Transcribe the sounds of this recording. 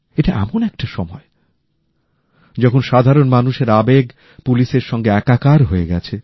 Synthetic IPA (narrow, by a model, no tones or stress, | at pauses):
eʈaʔɛ̰monɛk̚ʈaʃɔmɔe | d͡ʑɔkʰonʃad̪ʱaɾonmanuʃeɾabeɡ | puliʃeɾʃɔŋɡeɛkakaɾɦoeɡɛt͡ɕʰe